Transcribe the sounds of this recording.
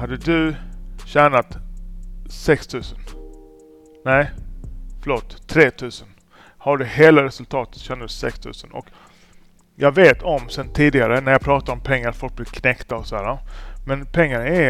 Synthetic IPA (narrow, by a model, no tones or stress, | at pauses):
ad̪ːəd̪ɵɕæːnat̪ | sɛkst̪ʰʉ̟ːsən | næɪ | fœɭoːt̪ʰːɾeːt̪ʰʉ̟ːsən | haɖəheːlaɾɛsɵlt̪ʰɑːt̪ət̪ɕɛːnad̪əsɛ̰kst̪ʰʉ̟̰ːsənɔ̰k | jɑɡveːt̪ʰɔmsɛnt̪ʰiːd̪ɪɡaɾənæɾjɑpʰɾɑːt̪aɾɔmpʰɛŋːaɾat̪fɔlk̚blɪvkʰnɛkt̪aɔsɔæːɾamɛnpʰɛŋːaɾæ